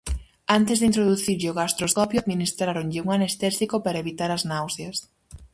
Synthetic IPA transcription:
ant̪ɪzðint̪̬ɾoðuθiɾʎɪoɣast̪ɾoskɔpjʊaðminist̪ɾaɾoŋʎɪuŋanest̪ɛsikopaɾɐeβit̪aɾɐznawsjɐs

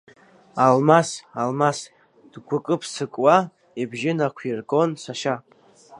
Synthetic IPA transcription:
almasalmas | d̥ɡʷʊkʼɨpʰsɨkʼwa | ibʒɪnakʷʰirɡo̞nsaʃa

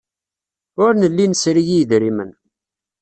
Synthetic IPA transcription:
ʊɾnəlːinəsɾijijðɾimən

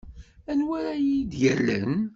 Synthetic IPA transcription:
ænwæɾæjid̪jələn

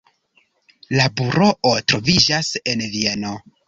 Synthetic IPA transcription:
labuɾo̞ʔotɾo̞vid͡ʒase̞nvie̞no̞

